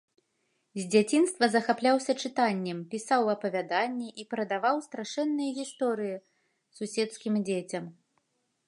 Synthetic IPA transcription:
zʲd͡zʲat͡sʲinst̪vɐzɐxaplʲawsʲɐt͡ʂɨt̪anʲːɛmpʲisawɐpɐvʲad̪anʲːɛʔipɾɐd̪avawst̪ɾaʂɛnːɨjɐɣʲist̪ɔɾɨji | susʲɛt̪skʲimd͡zʲet͡sʲɐm

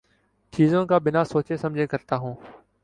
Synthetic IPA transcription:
t͡ʃiːzõːkaːbɪnaːsoːt͡ʃeːsəmd͡ʒʱeːkəɾt̪aːɦũː

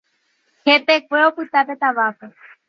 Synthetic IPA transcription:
kʰep̪ekweopɨt̪apet̪aʋape

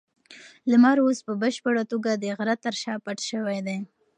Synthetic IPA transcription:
lamaɾospəbəʃpəɽat̪oɡad̪əɣaɾat̪ːəɾʃɑpaʈʃəwajd̪aj

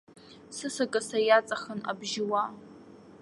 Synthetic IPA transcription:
sɨsakʼasajat͡sʼaχəna̰bʒɪwa

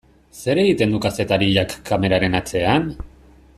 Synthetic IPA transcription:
se̞ɾe̞ɣit̪e̞nd̪ukase̞t̪aɾiʎakːame̞ɾaɾe̞nat͡se̞an

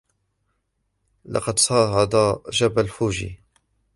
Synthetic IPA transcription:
lɑ̰qɑd̪sˤɑːʕɑd̪ɑʒabalfuːʒḭ

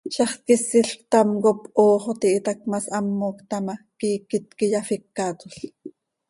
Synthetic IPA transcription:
ʃɑχkisiɬkt̪ɑmkopʔoːχot̪iʔit̪ɑk̚mɑsʔɑmːoːkt̪ɑmɑkiːkit̪̚kijɑfikːɑt̪uɬ

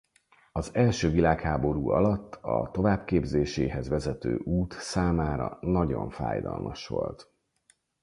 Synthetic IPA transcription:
ɒzɛlʃøːvilaːkhaːbo̞ɾuːɒlɒt̪ːɒt̪o̞vaːbkeːbzeːʃeːɦɛzvɛzɛt̪ø̰ːʔuːt̪saːmaːɾɒnɒɟo̞ɱfa̰ːjd̪ɒ̰lmʔɒʃʋo̞lt̪

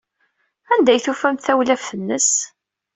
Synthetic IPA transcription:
ænd̪æjθufæmθæwlæfθənːəs

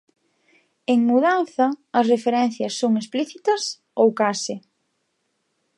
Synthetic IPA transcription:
eŋmuðanθɐːsrefeɾɛnθjɐsːoŋespliθit̪ɐs | owkasɪ

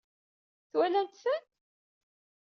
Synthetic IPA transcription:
θwnænt̪sənt̪

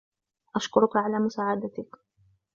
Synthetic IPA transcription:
ʔaʃkʊɾʊkaʕalaːmʊsaːʕad̪at̪ɪk

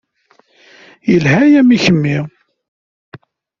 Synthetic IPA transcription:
jəlhæjæmiçəmːi

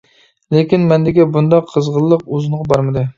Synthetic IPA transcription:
lekʲinmɛnd̪ɪɡʲɛbund̪ɑqʰːəzʁəlˠːəqozɨnʁɑbɑɾmɨd̪ɨ

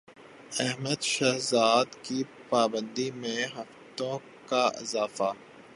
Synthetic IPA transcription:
ɛɦməd̪ʃaːɦzaːd̪kipaːbə̃nd̪imẽɦɐft̪õ | kaʔɪ̰zaːfa

